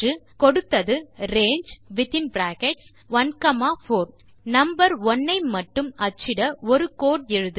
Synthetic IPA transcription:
ɯkɔɽɯt̪ːɐðɯɾeːɲd͡ʒʋɪt̪ɪnbɾaːkɛʈs | ʋɐnkɐmaːfoːɾ | nɐmbɐɾɔnːɐɪmɐʈːɯmɐt͡ʃːɪɽɐɔɾɯkoːʈ̚ɛɻɯðɯ

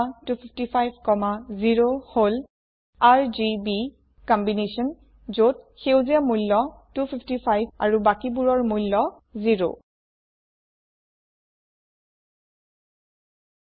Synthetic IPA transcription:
tupʰipʰtipʰajbʱkɔmaziɹohol | aɹzibi | kɔmbinesɔn | zot̚xewziamujlːɔtupʰipʰtipʰajbʱa̰ɹubakibuɹɔɹmujlːɔ | ziɹo̰

